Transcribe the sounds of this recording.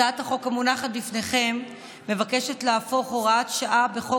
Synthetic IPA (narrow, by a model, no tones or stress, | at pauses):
ataχo̞kamunaχat̚lifneχe̞mː | e̞vake̞ʃe̞tleafo̞χo̞ʁaat̪ʃaʔabe̞χo